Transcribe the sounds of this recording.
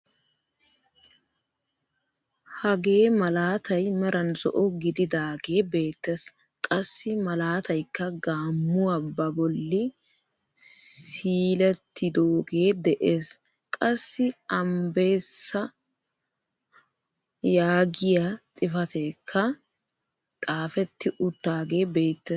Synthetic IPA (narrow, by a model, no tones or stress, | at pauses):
hɐɡe̞ːmɐlaːt̪ʰɐjmɐɾɐnzɔ̰ʔɔɡɪd̪ɪd̪aːɡe̞ːbe̞ːt̪ːɛs | kʼɐsːɪmɐlaːt̪ɐjkːɐɡaːmːʊabɐbɔlːɪ | siːlɛt̪ːɪd̪oːɡeːd̪ɛʔeːs | kʼɐsːɪɐmbe̞ːsːɐ | jaːɡɪjat̪ʼɪfɐt̪eːkʰːɐ | t̪ʼaːfɛt̪ːɪʔʊt̪ːaːɡe̞ːbe̞ːt̪ːe